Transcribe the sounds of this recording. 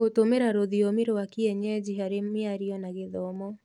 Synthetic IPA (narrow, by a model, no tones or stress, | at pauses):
otomeɾaɾoðiomɪɾowakiɛɲɛd͡ʒiɦaɾemɪaɾiɔnaɣeðɔmɔ